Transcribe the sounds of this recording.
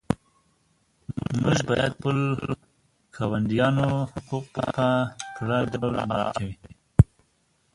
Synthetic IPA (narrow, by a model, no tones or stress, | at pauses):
muʒbɑjad̪pəl | kʰɑwand̪ijɑnohʊquq̚pa̰p̪apɾad̪awlmaɾɑ̰kawi